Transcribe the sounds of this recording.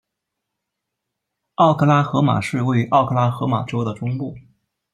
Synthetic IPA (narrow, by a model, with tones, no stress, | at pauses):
ɑ˥˩ʊkʰɤ˥˧la˥xɤ˧˥ma̰˨˩ʂɻ̩˥˧we˥˧ɪy˥ʔɑ˥˩ʊkʰɤ˥˧˩la˥xɤ˧˥ma̰˨˩ʈ͡ʂo˥ʊd̪ə˨ʈ͡ʂʊ˥ŋpu˥˩